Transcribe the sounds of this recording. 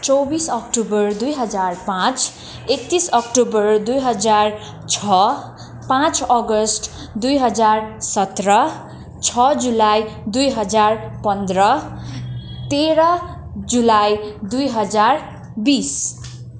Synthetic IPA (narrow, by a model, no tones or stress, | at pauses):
t͡sʌwbisʌk̚ʈubʌrd̪ujɦʌd͡zarpãt͡s | ek̚t̪isʌkʈubʌrd̪ujɦʌd͡zar | t͡sʰʌ | pãt͡sʌɡʌsʈ | d̪ujɦʌd͡zarsʌt̪rʌ | t͡sʰʌd͡zulajd̪ujɦʌd͡zarpʌnd̪rʌ | t̪eɾʌ | d͡zulajd̪ujɦʌd͡zar | bis